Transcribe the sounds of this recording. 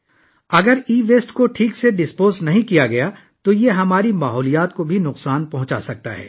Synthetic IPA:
ɐɡəɾiːʋeːsʈkoʈʰiːkseɖɪspoːznɐɦĩkijaɡɐja | t̪ojeɦɐmaːɾimaːɦɔːlijaːt̪̚kobʱinʊqsaːnpɐɦʊ̃t͡ʃa̰sɐk̚t̪a̰ɦɛ̰ː

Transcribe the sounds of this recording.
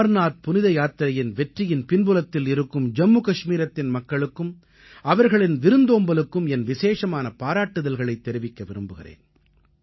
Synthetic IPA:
ɐɾnaːt̪̚pʊnɪðɐjaːt̪ːɪɾɐjɪnʋɛʈrɪjɪnpɪnbɯlɐt̪ːɪlɪɾɯkːɯmd͡ʒɐmːukɐʂmiːɾɐt̪ːɪnmɐkːɐɭɯkːɯm | ɐʋɐɾɣɐɭɪnʋɪɾɯnd̪oːmbɐlɯkːɯmɛnʋɪseːʂɐmaːnɐpaːɾaːʈːɯðɐlɣɐɭɐɪt̪ːɛɾɪʋɪkːɐʋɪɾɯmbɯɣɪɾḛːn

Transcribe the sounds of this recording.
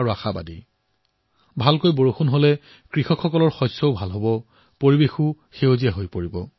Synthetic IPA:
aɹuaxaba̰di | bʱalkojboɹoxunɦolɛ | kɹixɔkxɔkɔlɔɹxɔjsɔʊbʱalɦobɔ | poɹibexu | xeozijaɦojpoɹibɔ

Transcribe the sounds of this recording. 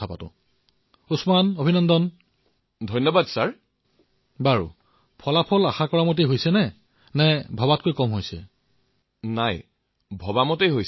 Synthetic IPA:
apa̰tʊ̰̃ | usmanobʱinɔndɔn | dʱɔjnːɔbadsaɹ | baɹṵ | pʰɔlapʰɔlaxakɔɹamot̬eɦojsɛnɛ | nɛbʱɔbat̚kojkɔmɦojsɛ̰ | naj | bʱɔbamɔtejɦoj

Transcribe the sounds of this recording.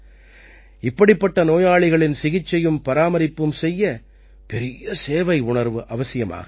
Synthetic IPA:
ɪpːɐɽɪpːɐʈːɐnoːjaːɭɪɣɐɭɪnsɪɣɪt͡ʃːɐjɯmpɐɾaːmɐɾɪpːɯmsɛjːɐ | pɛɾɪjɐseːʋɐɪʊɳɐɾʋɯʔɐʋɐsɪjɐma̰ːɣɐ

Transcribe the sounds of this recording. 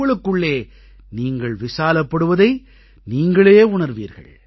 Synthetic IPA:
ɐɭɯkːɯɭːeː | niːŋɡɐɭʋɪsaːlɐpːɐɽɯʋɐðɐɪ | niːŋɡɐɭeːʊɳɐɾʋḭːɾɣɐ̰ɭ

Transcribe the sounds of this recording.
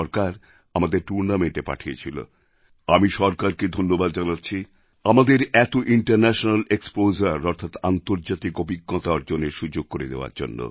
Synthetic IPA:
ɔɾkaɾ | amad̪eɾʈuɾnameɳʈepa̰ʈʰiḛt͡ɕʰilo̰ | amiʃɔɾkaɾked̪ʱonːobad̪d͡ʑanat̪ːɕʰi | amad̪eɾɛt̪oʔiɳʈaɾnɛʃonalekspozaɾɔɾt̪ʰat̪ant̪oɾd͡ʑat̪ikobiɡːot̪aaɾd͡ʑonːeʃud͡ʑoɡ̚koɾed̪eoa̰ɾd͡ʑo̰nːo̰

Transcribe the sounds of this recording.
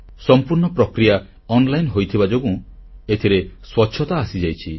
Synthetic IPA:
sɔmpuɾɳɔpɾɔkɾija | ɔnlajnɦojt̪ʰibad͡ʒoɡũet̪ʰiɾeswɔtːʃʰɔt̪aːsid͡ʒajt͡ʃʰi

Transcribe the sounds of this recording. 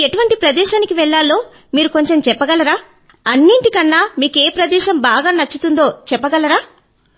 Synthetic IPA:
eʈuʋɐɳʈipɾɐd̪ɛːʃaːnikiʋɛɭːaːlːo̞ː | miːɾuko̞ɲt͡ʃe̞mt͡ʃɛpːɐɡɐlɐɾaː | ɐnːiɳʈikɐnːaːmiːkeːpɾɐd̪ɛːʃɐmbaːɡaːnɐt͡ʃːut̪und̪o̞ːt͡ʃɛpːɐɡɐlɐɾaː

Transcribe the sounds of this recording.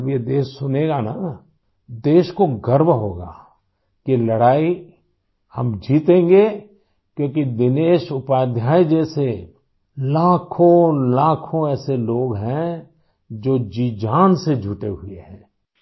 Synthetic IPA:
ɐbjed̪eːʃsʊneːɡana | d̪eːʃkoɡəɾbɦoːɡa̰ː | kilɐɽaːi | hɐ̰md͡ʒʱiːt̪ẽːŋɡe | kjõːkid̪ɪneːʃʊpaːd̪ʱjaːid͡ʒɛːse | laːkʰõlaːkʰõɛːseloːɡɦɛ̃ | d͡ʒoːd͡ʒiːd͡ʒaːnsed͡ʒʱʊʈeɦʊeɦɛ̃ː

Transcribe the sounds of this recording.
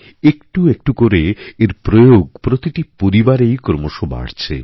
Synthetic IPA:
ekʈuek̚ʈukoɾeeɾpɾojoɡ̚pɾot̪iʈipoɾibaɾejkoɾmoʃoba̰ɽt͡ɕʰe

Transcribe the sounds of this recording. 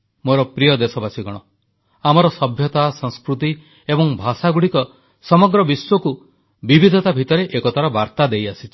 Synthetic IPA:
moɾɔpɾijɔd̪esɔbasiɡɔɽ̃ɔ | amɔɾɔsɔbʱjɔt̪asɔ̃ŋskɾut̪̬i | ebɔŋbʱasaɡuɽikɔ | sɔmɔɡɾɔbiswɔku | bibid̪ʱɔt̪abʱit̪ɔɾeʔekɔt̪ʰaɾɔbaɾt̪ad̪ejasit͡ʃʰi̥

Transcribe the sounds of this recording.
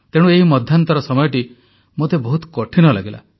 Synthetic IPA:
t̪eɽ̃ueɦimɔd̪ʱjant̪ɔɾɔsɔmɔjɔʈi | mot̪ebɔɦut̪kɔʈʰinɔla̰ɡila̰

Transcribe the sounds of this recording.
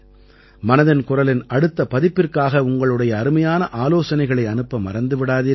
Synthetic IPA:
mɐnɐðɐnkʊrɐlɪnʔɐɽɯt̪ːɐpɐðɪpːɪrkaːɣɐʊŋɡɐɭɯɽɐjɐːɾɯmɐjaːnɐʔaːloːsɐnɐɪɣɐɭɐɪɐnɯpːɐmːɐrɐnd̪ɯʋɪɽaːði

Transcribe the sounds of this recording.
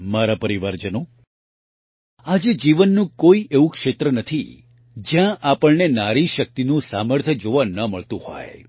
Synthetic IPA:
maɾapəɾiʋaɾd͡ʒəno | ad͡ʒed͡ʒiʋənːũkoiʔeʋũkʃet̪ɾənət̪ʰi | d͡ʒjãʔapəɭnenaɾiʃək̚t̪inũsaməɾt̪ʰəd͡ʒoʋãnəməɭt̪ũhɔ̰j

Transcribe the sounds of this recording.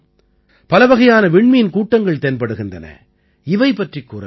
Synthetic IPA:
pɐlɐʋɐɣɐjaːnɐʋɪɳmɪjɪnkuːʈːɐŋɡɐɭt̪eːnpɐɽɯɣɪndɐnɐ̰ | ɪʋɐɪpːɐʈrikːuːrɐ̰

